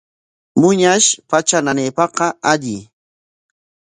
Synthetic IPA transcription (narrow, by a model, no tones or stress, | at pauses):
mʊɲaʃpat͡ʃananejpɑqɑaʎɪ